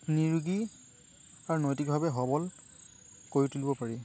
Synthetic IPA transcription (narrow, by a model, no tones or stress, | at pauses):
niɹuɡi | aɹunɔjtik̚bʱabɛɦɔbɔl | koɹitulibɔpaɹi